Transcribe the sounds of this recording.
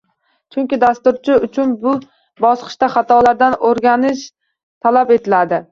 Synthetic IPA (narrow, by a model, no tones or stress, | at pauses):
t͡ʃʰʊŋʲkʲɪd̪ast̪ʊɾt͡ʃʰɪʊt͡ʃʰʊnbʊ | bɒsqʰɨ̥ʃt̪aχɑt̪ʰɒlaɾd̪anoɾɡʲanɪʃ | t̪ʰalape̞t̪ʰɪlad̪ɪ